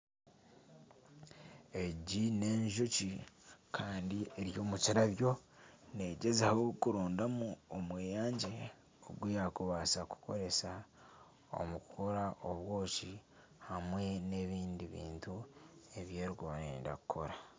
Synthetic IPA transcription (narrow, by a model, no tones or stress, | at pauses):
e̞ɟine̞ːɲʒocikʰaːndie̞ɾjo̞ːmuciɾaβjo̞ne̞ɟe̞zeho̞kuɾoːndamuomweːjaːɲɟe̞ | o̰ɡwujakuβasaku̥ko̞̰ɾe̞sa | o̰mukukoɾaʔoβwo̞ːci | hamwe̞ne̞βiːndiβḭːntue̞βje̞ːɾiɡaːɾḛːnda̰kukʰo̞ɾa